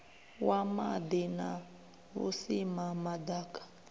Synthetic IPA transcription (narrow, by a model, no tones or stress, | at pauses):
wamadina | βṵsimamadaːkḁ